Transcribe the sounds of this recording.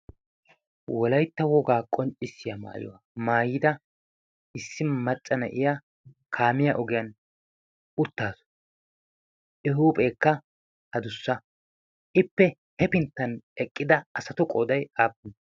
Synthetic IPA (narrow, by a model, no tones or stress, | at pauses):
wɔlɐjt̪ːɐwɔɡaːkʼɔnt͡ʃʼːɪsːɪjɐma̰ːjɔ̰wɐ | maːjiːd̪ɐ | ʔɪsːɪmɐt͡ʃʼːɐnɐ̰ʔɪja | kʰaːmɪjɐʔɔɡɪjɐn | ʊt̪ːaːsɔ̥ | ɪɦuːpʼe̞ːkːɐ | hɐd̪ʊsːɐ | ʔɪpːɛ | hɛpɪnt̪ːɐnɛkʼːɪd̪ɐɐsɐt̪ʊkʼɔːd̪ɐjaːp̚ːʊn